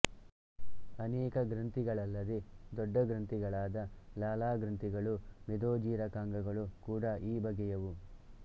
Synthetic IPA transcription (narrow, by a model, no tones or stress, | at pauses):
ɐnɛːkɐɡɾɐnt̪iɡɐɭɐlːɐd̪ed̪ɔɖːɐɡɾɐnt̪iɡɐɭaːd̪ɐlaːlaːɡɾɐnt̪iɡɐɭumed̪oːd͡ʒiːɾɐkaːŋɡɐɡɐɭukuːɽɐʔiːbɐɡɛjɐʋu